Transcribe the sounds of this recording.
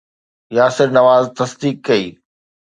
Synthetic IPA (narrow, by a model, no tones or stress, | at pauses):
jaːsɪɾnɐʋaːzt̪ɐsd̪iːkːɐiː